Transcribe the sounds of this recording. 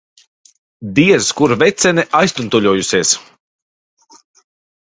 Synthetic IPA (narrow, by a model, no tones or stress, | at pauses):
d̪iɛzkuɾvɛt̪sɛnɛʔajst̪unt̪uʎʲuɔjusiɛs